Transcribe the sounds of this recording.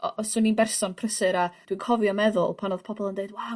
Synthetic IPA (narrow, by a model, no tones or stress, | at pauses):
ɔ̰ʔɔsʊninbɛrsɔnpʰrəsɨɾad̥winkʰɔvjɔmɛðʊ̰lˠpʰanoð̥pʰɔbɔlˠəndeɨdwaw